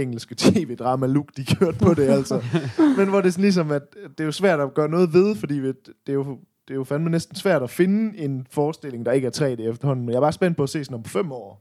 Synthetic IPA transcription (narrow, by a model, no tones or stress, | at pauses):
eŋl̩sɡ̥ət͡sʰḛːʋe̝d̥ʁɑ̈ːmæluɡ̥d̥ikʰjøɐ̰d̥pʰɒ̽de̝æl̰sɒmenʋɒde̝sɔn̩lis̬ɒ̽mæd̥e̝jo̝sʋæɐ̰d̥ɒɡ̥ɶɐnɔ̽ːð̞̩ˠʋe̝ð̞ˠfɒ̽d̥ḭːʋed̥e̝jo | d̥e̝ofænd̥mænesd̥n̩sʋæɐ̰ɾ̥ɒfe̝nəe̝nfɒːsd̥e̝le̝ŋd̥ɑ̈e̝ɡ̥əæɐt͡sʰʁɛ̰ːdeefd̥ɐhɒ̽n̰n̩menjɑ̈ːbɑ̈ːsb̥en̰d̥̚pʰɒ̽æse̝̰ːsɒnɒ̽mfem̰ɒ̰ː